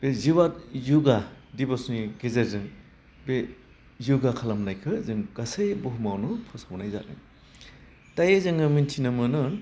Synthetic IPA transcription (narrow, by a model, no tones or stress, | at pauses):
b̥eziwatjuɡadibosniɡezeɾzɯŋ | be | juɡakʰalamnajkʰɯzɯŋɡ̥asejbɔɦumawnupʰɔsamnajza̰t̚nɯ̰ŋ | tajazɯŋɯmintʰinamɯnɯn